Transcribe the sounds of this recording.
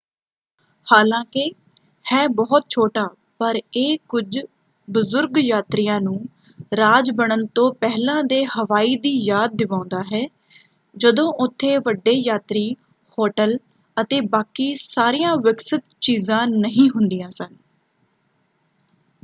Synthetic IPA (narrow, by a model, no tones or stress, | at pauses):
haːlãːkɪ | hɛːbɔːt̪̚t͡ʃʰoːʈaː | pəɾeːkʊd͡ʒ | bʊzʊɾɡjaːt̪ɾijãːnũː | ɾaːd͡ʒbəɳ̃ənt̪õːpɛɦlãːd̪eːhəʋaːiːd̪iːjaːd̪̚ːɪʋãːʊ̃nd̪aːɦɛː | d͡ʒəd̪õːʔʊt̪ʰːeːʋəɖːeːjaːt̪ɾiː | hoːʈəl | ət̪eːbaːkiːsaːɾijãːʋɪksɪt̪t͡ʃiːzãːnəɦĩːɦʊnd̪ijãːsən